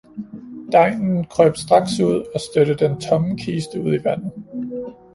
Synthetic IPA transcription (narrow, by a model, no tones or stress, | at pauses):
d̥ɑ̈ɪ̰nn̩kʰʁœːb̥sd̥ʁɑ̈ɡ̥suð̞̰ˠɒ̽sd̥øɾəd̥ent͡sʰɒ̽ŋəkʰiːsd̥əuð̞̰ˠiʋæn̰ð̩ˠ